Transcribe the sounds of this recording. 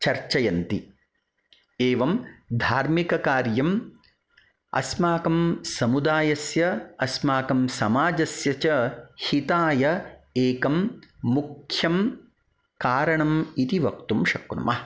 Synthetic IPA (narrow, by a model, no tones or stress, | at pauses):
t͡ʃɐɾt͡ʃɐjɐnt̪i | eːʋɐmd̪ʱaːɾmikɐkaːɾjɐm | ɐ̰smaːkɐmsɐmud̪aːjɐsjɐɐsmaːkɐmsɐmaːd͡ʒɐsjɐt͡ʃɐhit̪aːjɐeːkɐmːukʰjɐm | kaːɾɐɳɐmit̪iʋɐkt̪umʃɐknɐ̰mʔɐɐ